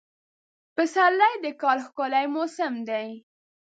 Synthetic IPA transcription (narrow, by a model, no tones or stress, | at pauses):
pəsalːajd̪əkɑlxkolajmosɪmd̪aj